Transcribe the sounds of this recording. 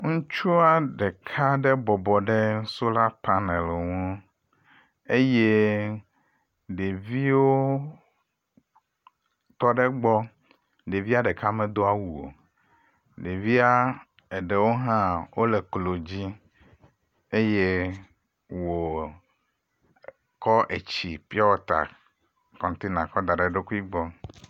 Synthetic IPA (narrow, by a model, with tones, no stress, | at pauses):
ŋũ˦t͡ʃu˦a˦ɖɛ˨kʰa˦ɖɛ˦bɔ˨bɔ˨ɖɛ˦ŋ̩˦so˦la˦pa˦nɛ˨lŋũ˦ | e˦je˦ | ɖe˨vi˦wo˦ | t̪ɔ˦ɖɛ˦ɡ͡bɔ˦ | ɖe˨vi˦a˦ɖɛ˨ka˦mɛ̃˨d̪o˦a˦wu˨o̰˨ | ɖe˨vi˦a˦ | e˨ɖe˨wo˦ɦã˦wo˦le˨klo˨d͡ʑi˦ | e˦je˦ | wo˨ | kɔ˦ʔe˨t͡ɕi˨pi˦ɔ˦wɔ˦t̪a̰˨ | kɔ̃˨ŋ˨˦t̪i˦nã˨kɔ˦d̪a˨ɖe˨ɖe˦ku˦i˦ɡ͡bɔ˦